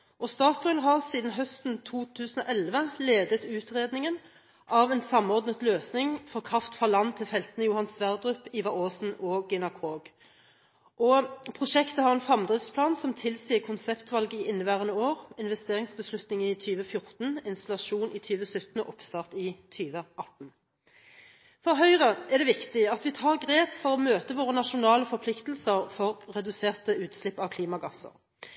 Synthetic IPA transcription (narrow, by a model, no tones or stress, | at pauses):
ʔɔst̪ɑːt̪ɔʏlɦɑʁsiːd̪n̩ɦœst̪nt̪ʰuːt̪ʰʉːsən̩ɔ̰ːʔɛlʋəleːd̪ət̪ʉːt̪ʁeːd̪nɪŋən | ʔɑːʋɛnsɑmɔʁd̪nət̪løːsnɪŋfɔʁkʰʁɑft̪fʁɑlɑnːt̪ʰɪfɛlt̪ənəjʊhɑnsʋæʁd̪ʁʉpiːʋɑoːsn̩ɔːɡɛnɑkʰʁoːɡ | ʔɔpʰʁʊʃɛkt̪əhɑʁɛnfʁɑmd̪ʁɪtspʰlɑːnsɔmt̪ʰɪlsiːəkʰʊnsɛpt̪ʋɑlɡəɪʔɪnːəʋæːʁənəoːʁɪnʋɛst̪eːʁɪŋsbəslʉt̪nɪŋɪt̪ʰyːʋəfjʊʁt̪nɪnst̪ɑlɑʂuːnʔɪt̪ʰyːʋəsʉt̪nəʔɔpst̪ɑːʁt̪ɪt̪ʰyːʋəʔɑt̪n̩ | fɔʁɦœʏʁəɛʁd̪ɛʋɪkt̪ɪɑt̪ʋɪt̪ʰɑːʁɡʁeːpfɔʁɔmøːt̪əʋoːʁənɑʃʊnɑːləfɔʁpʰlɪkt̪l̩səʁfɔʁːɛd̪ʉseːʁt̪əʉːt̪slɪpːɑʋkʰliːmɑɡɑsə̰ʁ